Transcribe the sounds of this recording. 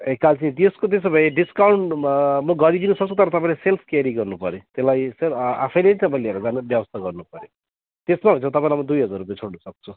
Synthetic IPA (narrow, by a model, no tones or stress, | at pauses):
ekːalt͡sʰit̪eskot̪̬esobʱʌjeɖiskawɳʈmʌɡʌɾid̪inusʌkt͡sʰut̪ʌɾʌt̪ʌpãĩlaselpʰkaɾiɡʌrnupʌɾjot̪elajsela̰pʰʌjleit̪ʌpãĩleʌɾud͡zanbjʌbʌst̪ʰaɡʌrnupʌɾjo | t̪esmabʱʌ̃nt͡sʰãt̪ʌpãĩlajmʌd̪ujɦʌd͡zarːupjet͡sʰoɽnʌsʌk̚t͡sʰu